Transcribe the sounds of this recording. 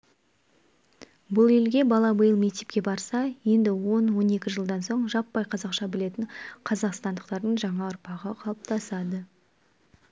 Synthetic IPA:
bʊlˠelɡʲe̞bɑlˠɑbəjəlˠme̞k̚t̪e̞pkʲe̞bɑɾsɑje̞nd̪ɪwo̞nwo̞ne̞kʲɪʒəlˠd̪ɑnso̞ɴʒɑpːɑjqʰɑzɑqʃɑbɪle̞t̪ɪɴqʰɑzɑqst̪ɑnd̪əqt̪ɑɾd̪əɴʒɑɴɑʊɾpɑʁəqʰɑlˠəp̚t̪ɑsɑd̪ə

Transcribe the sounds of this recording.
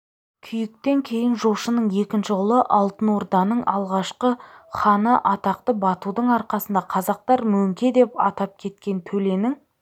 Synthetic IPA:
kʲʰʏjɪk̚t̪e̞ŋkʲʰe̞jɪnʒoʃənəɴje̞kʲɪnʃɪʊlˠəʔɑlˠt̪ənwo̞ɾd̪ɑnəɴʔɑlˠʁɑʃqəχɑnəʔɑt̪ɑq̚t̪əbɑt̪ud̪əɴɑɾqɑsənd̪ɑqʰɑzɑq̚t̪ɑɾmɵmkʲed̪e̞pɑ̰t̪ɑp̚kʲʰe̞t̪kʲe̞nt̪ʰɵle̞nɪŋ

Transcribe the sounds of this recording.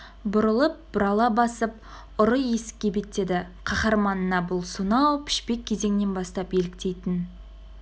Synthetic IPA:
bʊɾəlˠəp̚b̥ʊɾɑlˠɑbɑsəp̚ | ʊɾəje̞sɪ̥k̚ʲːe̞be̞t̪ːe̞d̪ɪ | qʰɑχɑɾmɑnənɑbʊlˠsunɑwpʰɪ̥ʃpe̞k̚ʲʰːe̞ze̞ŋne̞nbɑst̪ɑpje̞lɪk̚t̪e̞jt̪ɪn

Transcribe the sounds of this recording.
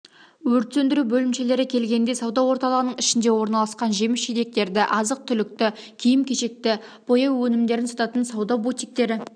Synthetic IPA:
wɵɾt̪send̪ɪɾubɵlɪmʃe̞le̞ɾɪkʲʰe̞lɡʲe̞nd̪e̞sɑwd̪ɑwo̞ɾt̪ɑlˠəʁənəɴɪʃɪnd̪e̞wo̞ɾnɑlˠɑsqɑnʒe̞mɪsʃet̪e̞k̚t̪e̞ɾd̪ɪʔɑzəq̚t̪ʰʏlɪk̚t̪ɪkʲʰijɪmkʲʰe̞ʃe̞k̚t̪ɪ | b̥o̞jɑwwɵnɪmd̪e̞ɾɪnsɑt̪ɑt̪ənsɑwd̪ɑbut̪ʲijk̚t̪e̞ɾɪ

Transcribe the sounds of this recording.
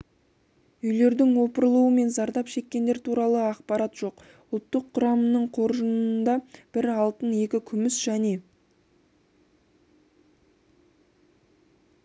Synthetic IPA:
ʏjle̞ɾd̪ɪŋwo̞pəɾlˠuwəme̞nzɑɾd̪ɑpʃe̞kʲːe̞nd̪e̞ɾt̪ʰuɾɑlˠəɑqpɑɾɑt̪ʒ̥o̞q | ʊlˠt̪ːəqʰːʊɾɑmənəɴqʰo̞ɾʒənənd̪ɑb̥ɪɾɑlˠt̪əne̞kʲɪkʲʰʏmɪsʒ̥æne̞

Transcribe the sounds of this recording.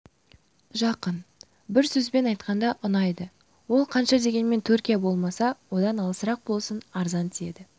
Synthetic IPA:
ʒɑqən | bɪɾsɵzbe̞nɑjt̪qɑnd̪ɑʔʊnɑjd̪ə | wo̞lˠqʰɑnʃɑd̪e̞ɡʲe̞nme̞nt̪ʰɵɾkʲijabo̞lˠmɑsɑwo̞d̪ɑnɑlˠəsəɾɑq̚bo̞lˠsənɑɾzɑnt̪ʰie̞̰d̪ɪ

